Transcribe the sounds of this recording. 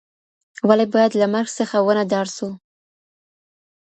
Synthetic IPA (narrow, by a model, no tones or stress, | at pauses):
walibɑjad̪lamaɾɡsəxawənad̪ɑɾsu